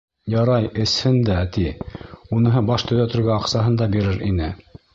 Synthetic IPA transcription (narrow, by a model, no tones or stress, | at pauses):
jɑɾɑjɘ̆shɘnd̪æt̪iunɤ̆ɦɤbɑʃt̪ɵ̆ðæt̪ɵ̆ɾɡæɑqsɑɦɤnd̪ɑbiɾɘɾḭnɘ